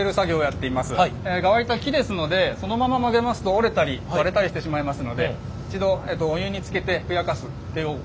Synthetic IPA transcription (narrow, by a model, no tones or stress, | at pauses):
eɾɯ̟saɡʲo̞ːjat̪ːe̞imasɨeɡaβaɾʲit̪akʲid̪e̞sɨno̞d̪e̞so̞no̞mamamaɡe̞masɨ̥t̪o̞ːɾe̞t̪aɾʲiβaɾe̞t̪aɾiɕi̥t̪e̞ɕimaimasɨno̞d̪e̞ | it͡ɕid̪o̞ed̪o̞ːjɯːɲ̟it͡sɨ̥ke̞t̪e̞ɸɯ̟jakasɨt̪ːe̞jɯ